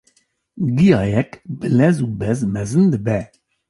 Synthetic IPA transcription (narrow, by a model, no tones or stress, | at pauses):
ɡijɑːjɛkbɨlɛzuːbɛzmɛzɨnd̪ɨbɛ